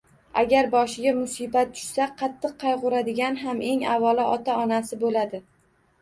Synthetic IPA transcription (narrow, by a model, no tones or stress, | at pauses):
aɡʲaɾbɒʃɪɡʲamʊsibat̪̚t͡ʃʰʊ̥ʃsaqʰɑt̪ʰːɨq̚ʰːɑjʁʊɾad̪ɪɡʲanɦamʔe̞ŋavɒlɪɒt̪ʰaɒnasɪbolad̪ɪ